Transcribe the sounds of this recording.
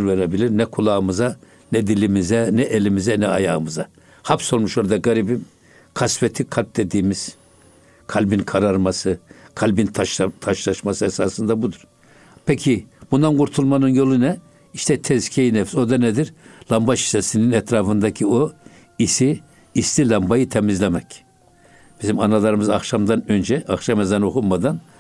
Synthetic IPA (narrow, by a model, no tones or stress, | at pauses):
ɾveɾebilʲiɾnɛkʰulˠaːɯmɯza | nɛd̪ilʲimizɛnɛʔelʲimizɛnɛaja̰ːɯmɯza | hapso̞lˠmuʃo̞ɾad̪aɡaɾibim | kʰasfɛt̪ʰikʰalʲp̚d̪ed̪iːmiz̥ | kʰalʲbinkʰaɾaɾmasɯkʰalʲbint̪ʰʃt̪ʰaʃlˠaʃmasɯɛsaːsɯnd̪abud̪uɾ̥ | pʰɛcʰibund̪anɡuɾt̪ʰulˠmanɯnjo̞lˠunɛ | iʃt̪ʰɛt̪ʰɛzkʰejinɛfso̞d̪anɛd̪iɾlˠambaʃi̥sɛsininɛt̪ɾaːfɯnd̪acʰio | isiː | slilʲambajɯt̪ʰɛmizlʲɛmɛc | b̥izimanalˠaɾɯmɯzaxʃamd̪anø̞nd͡ʒɛʔaxʃamɛzanokʰumad̪an